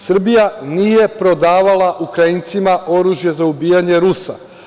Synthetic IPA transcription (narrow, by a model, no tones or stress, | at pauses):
sr̩bijanije̞pɾo̞d̪aːʋalaʔukɾaint̪simaʔo̞ɾuːʒje̞zaubiːjaɲe̞ɾusa̰